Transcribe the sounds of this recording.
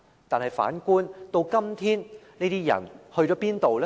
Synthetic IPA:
t̪aː˨nɦɐ˨jfa̰ː˨˥nkuː˥nt̪o˧wkɐ˥mt̪ʰiː˥nneː˥t̪iː˥jɐ̰˨˩nhɵ˧ɥt͡ʃɔː˨˥piː˥nt̪o˨wlɛ˦

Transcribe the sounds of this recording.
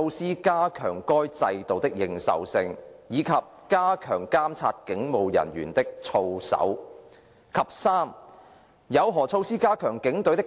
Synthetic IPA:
o˧wsiː˥kaː˥kʰœː˨˩ŋkɔː˥jt͡sɐ˧jt̪o˨wt̪ɪ˥k̚jɪ˨ŋsɐ̰˨wsɪ˧ŋjiː˨˧kʰɐ˨p̚kaː˥kʰœː˨˩ŋkaː˥mt͡sʰa̰ː˧t̚kɪ˨˥ŋmo˨wjɐ̰˨˩nɥy̰ː˨˩nt̪ɪ˥k̚t͡sʰo˧wsɐ̰˨˥w | kʰɐ˨p̚saː˥m | jɐ˨˧wɦɔː˨˩t͡sʰo˧wsiː˥kaː˥kʰœː˨˩ŋkɪ˨˥ŋt̪ɵ˨˥ɥt̪̬ɪ˥k

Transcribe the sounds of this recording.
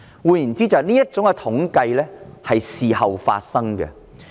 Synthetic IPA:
wuː˨˧jy˨˩nt͡siː˥t͡sɐ˨˩niː˥jɐ˥t̚t͡sʊ˨˥ŋkɛ˧t̪ʰʊ˨˥ŋkɐ˧jlɛː˥hɐ˨jsiː˨hɐ˨wfa̰ː˧t̚sɐ˥ŋkɛ̰˨˧

